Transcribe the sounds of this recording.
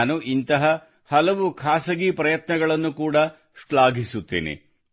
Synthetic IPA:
nuʔint̪ɐɦɐ | hɐlɐʋukʰaːsɐɡipɾɐjɐt̪nɐɡɐɭɐnːukuːɽɐ | ʂɭaːɡisut̪ːḭːnḭ

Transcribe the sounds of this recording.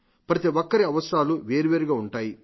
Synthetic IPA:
pɾɐt̪iʋɔkːɐɾiɐʋɐst̪aːluʋeːɾiʋeːɾiɡaːuɳʈaːji

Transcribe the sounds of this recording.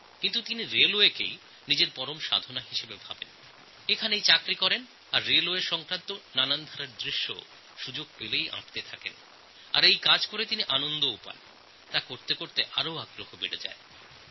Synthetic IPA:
kint̪ut̪iniɾeloekḛj | nid͡ʑeɾpɔɾomʃa̰d̪ʱonaɦiʃebebʱabḛn | ekʰanejt͡ɕakɾikɔɾen | aɾːeloeɾʃɔŋkɾant̪onanand̪ʱaɾaɾd̪ɾiʃːo̰ | ʃud͡ʑoɡ̚pelejʔã̰ʈt̪et̪ʰakḛn | a̰ɾejkad͡ʑkoɾet̪iniʔanond̪oupa̰n | t̪akoɾt̪ekoɾt̪eʔaɾoaɡɾoɦhobeɽed͡ʑa̰e

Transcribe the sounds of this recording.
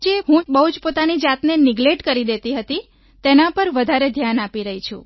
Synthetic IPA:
d͡ʒeɦũbəɦud͡ʒpot̪anid͡ʒat̪nenɪɡleʈkəɾid̪et̪iɦət̪i | t̪enapəɾʋəd̪ʱaɾed̪ʱjanapiɾəɦit͡ʃʰṵ̃

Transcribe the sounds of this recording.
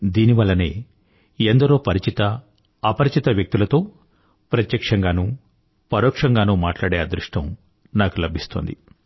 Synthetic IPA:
d̪iːniʋɐlːɐnḛː | end̪ɐɾoːpɐɾit͡ʃit̪ɐː | pɐɾit͡ʃit̪ɐʋjɐk̚t̪ilɐt̪o̞ː | pɾɐt̪jɐkʂɐŋɡaːnu | pɐɾoːkʂɐŋɡaːnuːmaːʈlaːɽeːɐd̪ɾuʂʈɐm | naːkulɐbʱist̪oːnd̪ḭ

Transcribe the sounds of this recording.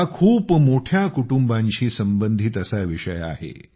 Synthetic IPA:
akʰuːpmoʈʰjakuʈumbãɲt͡ɕiːsəmbənd̪ʱit̪əsaʋiʂəja̰ɦḛ

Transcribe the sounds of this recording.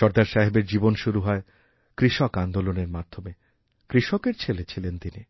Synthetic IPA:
ʃɔɾd̪aɾʃaɦebeɾd͡ʑibonʃuɾuɦɔe | kɾiʃɔkand̪oloneɾmad̪ʱome | kɾiʃɔkeɾt͡ɕʰelet͡ɕʰilent̪ini

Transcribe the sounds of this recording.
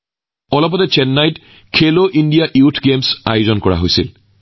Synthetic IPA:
ɔlɔpɔtɛt͡ʃɛnːajt | kʰeloʔindijaʔiwtʰɡemsa̰jozɔnkɔɹa̰ɦojsil

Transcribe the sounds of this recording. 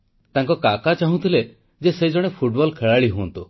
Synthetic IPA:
t̪aŋkɔkakat͡ʃaɦũt̪ʰile | d͡ʒesed͡ʒɔɽ̃epʰuʈbɔlkʰeɭaɭiɦunt̪u

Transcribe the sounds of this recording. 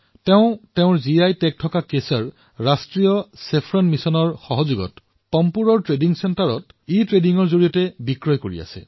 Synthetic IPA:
teʊ̃teʊ̃ɹziajtɛk̚tʰɔkakesɔɹ | ɹastɹijɔsepʰɹɔnmisɔnɔɹxɔɦɔzuɡɔ̰t | pɔmpuɹɔɹtɹediŋsɛntaɹɔtitɹediŋɔɹzoɹijɔtɛbikɹɔjkoɹḭa̰sɛ̰

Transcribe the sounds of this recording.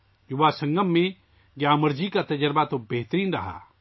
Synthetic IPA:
jʊʋasə̃ŋɡəmːẽ | ɡjaːməɾd͡ʒikat̪ɐd͡ʒəɾbat̪obeɦt̪əɾiːnɾɐɦa̰ː

